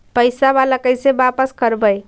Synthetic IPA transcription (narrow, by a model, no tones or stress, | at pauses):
pəjsaβaləkəjsebapəskəɾbəj